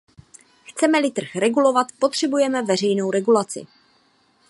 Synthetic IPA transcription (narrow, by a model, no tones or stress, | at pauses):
xt͡sɛmɛlɪt̪r̩xrɛɡulo̞vat̪po̞t̪r̝̥ɛbujɛmɛvɛrɛjno̞wɾɛɡulat͡sɪ̰